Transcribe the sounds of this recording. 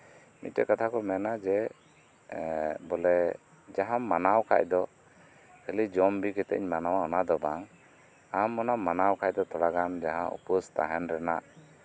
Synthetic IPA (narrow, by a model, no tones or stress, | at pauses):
mḭt̪̚tɛkat̪ʰakɔmɛnad͡ʒɛ | bɔlɛ | d͡ʒaɦamːanawkʰa̰ʔ̚d̪ɔ | hɛlid͡ʒɔmbikɛt̪ɛ̰ɲmanawaɔnad̪ɔbaŋ | amːɔnamːanawkʰacd̪ɔt̪ɔɽaɡand͡ʒaɦãṵpɔst̪a̰ɦɛnɾɛna̰ʔ